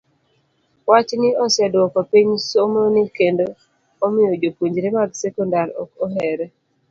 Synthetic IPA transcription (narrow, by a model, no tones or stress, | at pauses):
wat͡ʃnɪɔsɛdwɔkɔpiɲsomonɪkendo | ɔmɪjɔd͡ʒopuɲd͡ʒɾemaɡsɛkɔndaɾɔ̰kɔɦɛɾɛ